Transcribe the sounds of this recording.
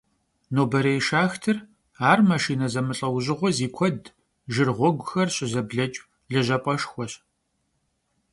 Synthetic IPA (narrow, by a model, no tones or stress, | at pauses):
noːbɐɾejʃaːxtʰɨr | aːrmaʃiːnɐzɐmɨɬʼɐwʑɪʁʷɔziːkʷʰɔd | ʒɨrʁʷɔɡʷʊxɐrɕʼɪzɐbɮɐt͡ʃʼ | ɮɨʑɐpʼɐʃxʷɔɕʼ